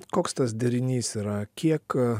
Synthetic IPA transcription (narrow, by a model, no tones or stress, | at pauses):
koːkst̪ɐsd̪ʲɛɾʲɪnʲiːsiːɾɐkʲiɛk